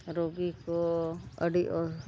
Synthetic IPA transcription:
ɾoːɡikoəɖiʔɔ

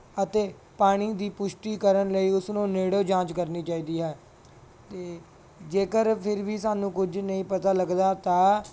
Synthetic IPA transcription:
ət̪eː | paːɽ̃iːd̪iːpʊʃʈiːkəɾənləiːʊsnõːneːɽoːd͡ʒãːt͡ʃkəɾniːt͡ʃaːiːd̪iːɦɛː | t̪eː | d͡ʒeːkəɾpʰɪɾʋiːsaːnũːkʊd͡ʒnəĩːpət̪aːləɡd̪aːt̪aː

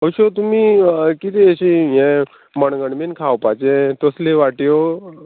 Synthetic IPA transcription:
ɦəwɕot̪umikit̪iəɕĩjɛ̃ | məɳɡəɳminkʰawpat͡ɕẽt̪oslẽʋaʈjo

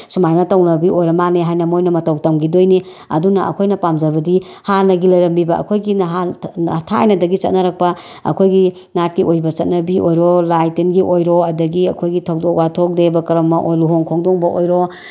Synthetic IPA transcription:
sumajnɐtɐwnɐbiʔojɾɐmaneɦajnɐmojnɐmɐtɐwtɐmɡidojni | ɐ̰dunɐʔɐ̰kʰojnɐpamd͡ʒɐbɐdi | hanɐɡilɐjɾɐmbibɐʔɐ̰kʰojɡinɦatʰaa̰jnɐdɐɡit͡ʃɐt̚nɐɾak̚pɐ | ɐ̰kʰojɡi | nat̚kiʔojbɐt͡ʃɐt̚nɐbiʔojɾɔlajtenɡiʔojɾɔɐdɐɡiɐkʰojɡitʰɐwdok̚watʰok̚debɐkɾɐmːɐʔojluɦoŋkʰoŋdɔŋbɐʔojɾo

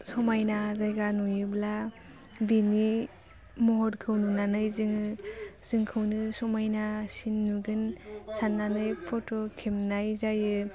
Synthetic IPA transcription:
sɔmajnazajɡanujɯbla | bini | mɔɦɔɾkʰɯwnunanɯjzɯŋɯz̥ɯŋkʰɯwnɯsɔmajnasinːuɡɯnsanːanɯjpʰotokʰemnajzajɯ

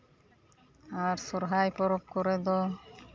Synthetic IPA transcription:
aɾsɔɾɦajpɔɾɔp̚kɔɾɛd̪ɔ

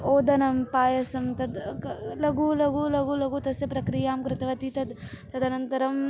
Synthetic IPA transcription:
oːd̪ɐnɐmpaːjɐsɐmt̪ɐd̪lɐɡuːlɐɡulɐɡuːlɐɡuːt̪ɐsjɐpɾɐkɾijaːmkɾɪt̪ɐʋɐt̪it̪ɐd̪t̪ɐd̪ʱɐnɐnt̪ɐɾɐm

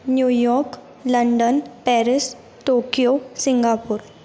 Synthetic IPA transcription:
njuːjɔːɾk | lɐɳɖənpɛːɾɪs | ʈoːkijosɪ̃ŋɡaːpʊɾ

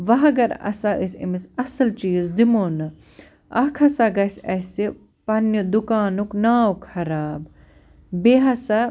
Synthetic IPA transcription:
ʋɐɦɐɡɐɾɐ̰saʔɨsʲḭmisɐsɐlt͡ʃiːzd̪imoːnɨ | ɐkʰɐsaɡɐsʲɐsi | pɐnjəd̪ukaːnuknaːwkʰɐɾaːb | beːɦɐsa

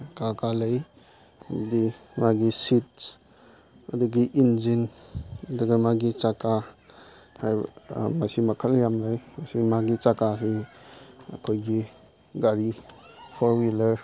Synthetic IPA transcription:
kakalɐj | dimaɡisit̚ | ɐduɡiʔind͡ʒin | duɡamaɡit͡ʃaka | hajmasimakʰaljamɾajmasimaɡit͡ʃakasi | ɐ̰kʰojɡi | ɡaɾi | pʰɔɾwilɐɾ

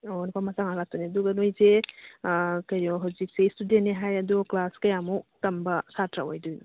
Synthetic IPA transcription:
onpʰamataŋalatuneduɡɐnojze | kɐɾɔɦawzik̚seistudentːeɦajɐdɔklaskɐjamutɐmbɐsatɾa̰o̰jdujnu

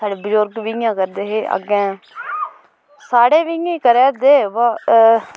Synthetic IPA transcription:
saːɖeːbəzʊɾɡʋiãːkəɾd̪eːɦeːʔə̰ɡɛ̃ː | saːɽeːʋiĩːkəɾeːd̪eːʋa

